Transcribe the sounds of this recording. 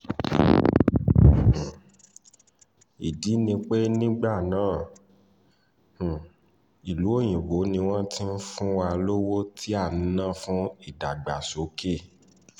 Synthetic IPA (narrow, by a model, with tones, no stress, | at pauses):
i˨di˨˦nĩ˧k͡pe˦nĩ˦ɡ͡ba˦˨nãː˦˨ | i˨lu˨˦o˦˨j̃ĩ˨wo˨˦nĩ˧w̃ɔ̃˦ti˦n̩˦fũ˦wa˧lo˦wo˦tʰi˦a˦˨nĩ˨˦nã˦˨fũ˦i˦˨da˨ɡ͡ba˨so˨˦ke˦˨